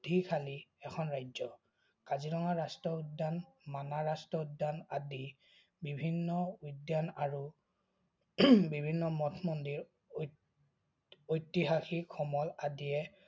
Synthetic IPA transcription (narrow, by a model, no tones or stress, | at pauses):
dʱikʰaliɛkʰɔnɹajzɔ | kazilɔŋaɹastɔudːanmanaɹastɔudːanadi | bibʱinːɔujdjanaɹu | bibʱinːɔmɔtʰmɔndiɹ | ojtiɦaxikʰɔmɔladiɛ